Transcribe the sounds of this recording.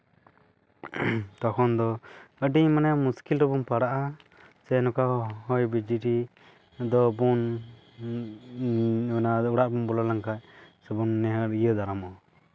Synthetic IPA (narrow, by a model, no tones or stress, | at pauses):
t̪ɔkʰɔnd̪ɔəɖiɲmanɛjamuskilɾɔbumpaɽaʔa | sɛnɔkahɔjbid͡ʒiʈi | d̪ɔbun | nauɽaʔbumbɔlalaŋkac̚ˀsɛbunːɛɦəɾijəd̪aɾamɔ